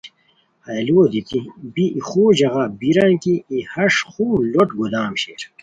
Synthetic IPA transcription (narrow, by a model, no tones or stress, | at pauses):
ɐloːd̪it̪ibiixoːd͡ʑɐɣabiɾankiihɐʂxuːloʈ̚ɡud̪aːmɕeːɾ